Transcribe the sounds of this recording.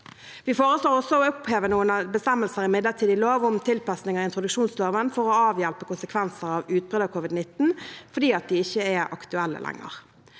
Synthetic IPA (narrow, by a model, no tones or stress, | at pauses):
ʋifoːʁəsloːʁɔsːoɔʊpheːʋənuːənɑbəst̪ɛməlsəʁɪmɪd̪ləʁt̪ʰiːd̪ɪloːʋʊmt̪ʰɪlpɑsnɪŋəɪnt̪ʁʊd̪ʉkʃuːnsloːʋənfɔʁɔɑːʋjælpəkʊnsəkʰʋɛnsəʁɑʋʉːt̪̚bəd̪ɑkʰʊʋɪd̪nɪt̪ːn̩fɔɖ̪iːɑt̪̚d̪iɪçːəɛʔɑ̰kt̪ʉɛlːə̰lʔɛ̰ŋːə̰ʁ